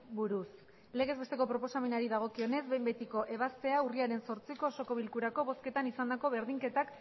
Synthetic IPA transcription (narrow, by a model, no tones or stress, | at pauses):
buɾus | le̞ɣ̞e̞zβe̞t̪e̞ko̞pɾo̞po̞same̞naɾiðaɣ̞o̞kio̞ne̞zbembe̞t̪iko̞ʔe̞β̞ast̪e̞auriaɾe̞nso̞ɾt͡siko̞ːso̞ko̞βilkuɾako̞βo̞ske̞t̪anisand̪ako̞βe̞ɾðiŋke̞t̪ak